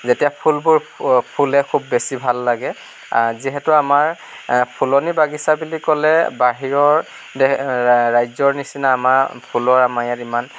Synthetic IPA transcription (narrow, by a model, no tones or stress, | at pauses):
zetijapʰulbʊɹpʰulɛkʰubːesibʱalːaɡɛ | aziɦɛtuamaɹ | pʰulɔnibaɡisabulikɔlɛbaɦiɹɔɹ | dɛɹajzɔɹnisinaːmapʰulɔɹamajatiman